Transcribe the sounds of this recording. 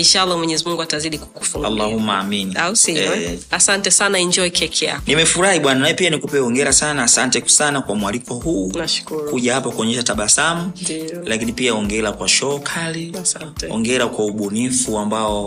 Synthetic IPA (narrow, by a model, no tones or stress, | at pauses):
iʃalːamwɛɲɛzimuŋɡuataziɗiku̥ku̥fuŋɡa̰lːahumːaaminiausiɛasantɛsanaiɲd͡ʒɔikɛkʰɛa̰nimɛfuɾahiɓwananaɛpianikupɛɔŋɡɛɾasanaːsantɛsanakwamwalikʰɔhuːnaʃkukuʄahapakuɔɲɛʃataɓasamulakinipiaɔŋɡɛɾakwaʃɔkʰali | ɔ̰ŋɡɛɾakwauɓɔnifuambaɔ